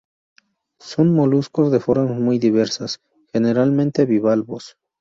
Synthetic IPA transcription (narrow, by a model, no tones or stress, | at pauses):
so̞nmo̞lusko̞zðe̞fo̞ɾmazmujd̪iβe̞ɾsas | xe̞ne̞ɾalmẽnt̪eβiβalβos